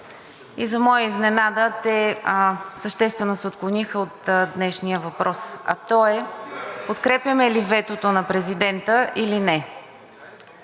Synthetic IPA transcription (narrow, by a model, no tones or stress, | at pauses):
izɐmɔjəiznɛnad̪ət̪ɛ | səʃt̪ɛst̪vɛnosot̪̚klˠʊnixəot̪d̪nɛʃnijəvɐpɾʔɔsɐ̰t̪ɔɛpot̪kɾɛpjəmɛlivɛt̪ot̪onɐpɾɛzid̪ɛnt̪əʔilinɛ